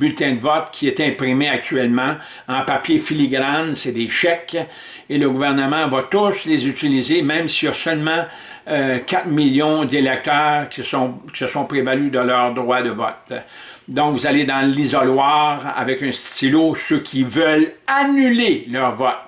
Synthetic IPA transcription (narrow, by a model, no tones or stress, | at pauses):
bylt̪ɛ̃d̪əvɔt̪kʲʰiɛt̪ɛ̃pʁimeak̚t̪yɛlmɑ̃ | ɑ̃papjefiliɡʁãnsɛd̪eʃɛk | eləɡuvɛʁnəmɑ̃vat̪ʊslezyt͡silizemɛ̃msijasœlmɑ̃ | kʲʰat̪miljɔ̃d̪elɛk̚t̪œːʁkʲsɔ̃kʲi̥səsɔ̃pʁevalyd̪əlœʁd̪ʁwad̪əvɔ̰t̪̚ | d̪ɔ̃kvuzaled̪ɑ̃lizɔlwaːʁa̰vɛkɛ̃st̪ilosøkʲʰivœlanylelœːʁvɔt̪̚